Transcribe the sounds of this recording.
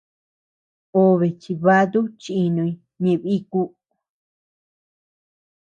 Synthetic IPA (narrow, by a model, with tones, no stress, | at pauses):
o˧βe˨t͡ʃi˧βa˦ðu˦t͡ʃi˧i˧nũ˧i˧ | ɲẽ˧˨βi˦ku˦